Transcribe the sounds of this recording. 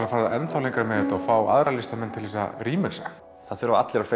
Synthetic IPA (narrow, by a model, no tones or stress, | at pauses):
ɾafaːɾða̰ʔɛnθawliŋkaɾmɛðɪt̪awfaːwa̰ðɾalɪst̪amɛnt̪ʰɪlvisa̰ɾiːmɛsa | θaðθʏɾavat̪lɛɾḁfe